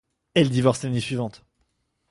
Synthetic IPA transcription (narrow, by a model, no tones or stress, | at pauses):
ɛld̪ivɔʁslanesɥivɑ̃t̪